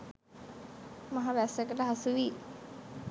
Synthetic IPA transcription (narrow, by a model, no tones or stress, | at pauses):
maɦaʋæsəkəʈəɦasuʋi